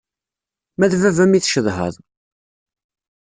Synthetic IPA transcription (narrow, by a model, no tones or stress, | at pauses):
mæðvævæmiθʃəðɦə̰ðˤ